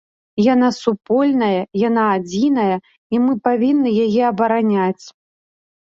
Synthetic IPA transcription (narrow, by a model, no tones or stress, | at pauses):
janasupɔlʲnɐjɐjanaːd͡zʲinɐjɐ | imɨpavʲinːɨjajɛɐbɐɾanʲat͡sʲ